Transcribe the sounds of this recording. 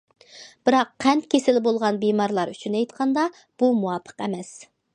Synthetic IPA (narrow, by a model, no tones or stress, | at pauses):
b̥ɪɾɑqʰːɛnt̪̚kʲʰesɪlɪbolˠʁɑnbimɑɾlˠɑɾyt͡ʃʰynɛjt̪qʰɑnd̪ɑ | b̥umuwɑpʰə̥qɛ̰mɛs